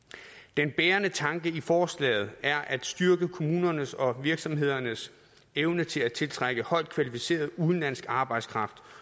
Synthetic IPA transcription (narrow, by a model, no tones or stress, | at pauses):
d̥enb̥eːɐnət͡sʰɑ̈ŋɡ̥əifɒːslɛ̰ːɪð̞̩ˠæɐʔæd̥sd̥yɐɡ̥əkʰo̝muːnɐnəsɒ̽ʋiɐɡ̥sɒ̽mɦe̝ð̞̰ˠɐnəs | eʊnət͡sʰe̝læt͡sʰe̝lt͡sʰʁaɡ̥əhɒ̽ɪ̰d̥̚kʰʋælifise̝̰ːɐðˠuðˠn̩læn̰sɡ̥ɑ̈ːb̥ɑ̈ɪ̰d̥skʰʁɑ̈fd̥